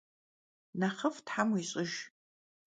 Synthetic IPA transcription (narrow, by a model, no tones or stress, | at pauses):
naχəftħamuiɕʼɪʒ